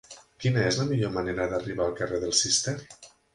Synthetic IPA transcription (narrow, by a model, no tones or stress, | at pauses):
kinəezləmiʎoməneɾəðəriβ̞aːlˠkəreðəlˠsist̪ɛr